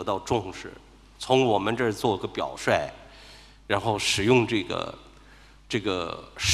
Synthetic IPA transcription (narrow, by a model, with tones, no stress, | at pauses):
ɤ˧˥t̪ɑ˥˧ʊʈ͡ʂʊ˥˧ŋʂɻ̩˥˩ | t͡sʰʊ˧˥ŋwɔ˨˩mə˦nʈ͡ʂə˥˧t͡swɔ˥˩i˥ɡə˧pjɑ˨˩ʊʂwa˥˩ɪ | ɻa˧˥nxo˥˩ʊʂɻ̩˨˩jʊ˥˧ŋʈ͡ʂɤ˥˩ɡə̰˩ | ʈ͡ʂɤ˥˩ɡə̰˩ʂ